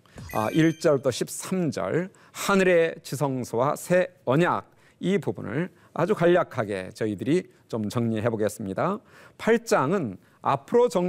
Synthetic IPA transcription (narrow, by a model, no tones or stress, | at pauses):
ʌ̰ʔiɭt͡ɕ͈ʌɭd͈ʰoɕʰip̚s͈amd͡ʑʌ̰ɭ | hanɯɾe̞t͡ɕisʰʌŋsʰowasʰe̞ʌɲaɡ̚ | ipubṵnɯ̰ɭ | a̰d͡ʑukaʎːakʰaɡe̞̰t͡ɕʌidɯɾi | t͡ɕomt͡ɕʌŋɲiɦe̞boɡe̞s͈ɯmɲida | pʰaɭt͡ɕ͈aŋɯn | a̰pʰɯɾot͡ɕʌŋ